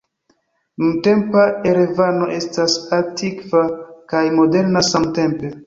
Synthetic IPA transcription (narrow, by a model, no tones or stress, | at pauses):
nunte̞mpae̞ɾe̞vano̞ʔe̞stasatʰikvakajmo̞de̞ɾnasamte̞mpe̞